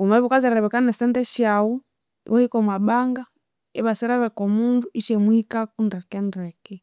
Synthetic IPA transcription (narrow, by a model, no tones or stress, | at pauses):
umaβukazɛɾaɾɛβɛkanɛsɛntɛʃau | wɔhikɔmwaɓaŋɡa | ɛβasɛɾaβɛkɔmunduiʃɛmwikakundakɛndɾɛkɛ